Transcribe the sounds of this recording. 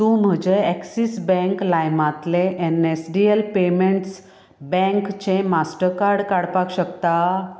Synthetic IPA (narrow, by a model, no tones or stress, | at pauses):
t̪ũm̤əd͡ʑeɛksisbɛ̃ŋklajmãt̪leʔenesɖielpemeɳʈs | bɛ̃ŋkt͡ɕẽmasʈəɾkaɾɽkaɽpakɕəkt̪a